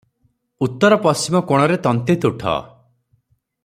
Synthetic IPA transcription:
ut̪ːɔɾɔpɔsimɔkoɽ̃ɔɾet̪ɔnt̪et̪uʈʰɔ̰

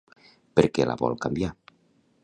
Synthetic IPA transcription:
peɾkela̰βɔ̰lkambja

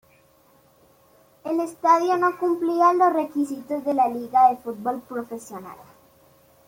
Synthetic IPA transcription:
elest̪aðjonokumplianlosre̞kisit̪ozðelaliɣaðefut̪̚bolpɾofesjona̰l

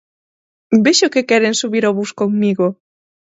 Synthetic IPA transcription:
beʃokekɛɾeŋsuβiɾoβuskoŋmiɣo

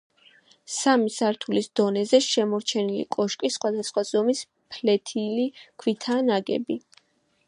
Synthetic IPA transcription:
samisaɾt̪ʰulisd̪̥ɔnɛzɛʃɛmɔɾt͡ʃʰɛnilḭkʼɔʃkʼisːχwad̪asχwazɔmis | pʰlɛt̪ʰilikʰwit̪ʰaːnaɡɛ̰bi

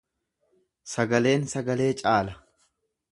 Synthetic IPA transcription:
sɐɡɐle̞ːnsɐɡɐle̞ːt͡ʃʼaːlɐ

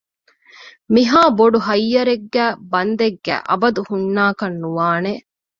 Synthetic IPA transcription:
miɦaːboɖuɦɐjːɐɾeɡːæːbɐnd̪eɡːæ̰ːʔɐ̰bɐd̪uhunːaːkɐnːuʋaːne

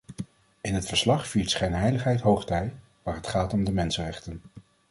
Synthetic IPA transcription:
ɪnɦətfəɹslɑχfiːɹtsχejnɦɛjləχɦɛjtɦowχtɛj | ʋaːɹɦətχaːtɔmdəmɛnsənrɛχtən

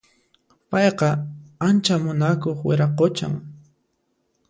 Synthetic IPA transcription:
pɑjqɑant͡ʃamʊnakoχwɪɾɑqot͡ʃa̰ŋ

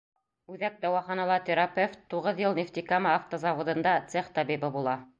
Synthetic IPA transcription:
ʉðæk̚d̪ɑwɑχɑnɑlˠɑt̪eɾapeft̪t̪uʁɤðjɤlˠnʲift̪ikaməːft̪əzɑvod̪ɤ̆nd̪ɑt̪seχt̪ɑbibɤbulˠɑ

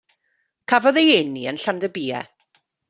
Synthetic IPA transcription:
kʰavɔðejeniənɬandəbiːɛ̰

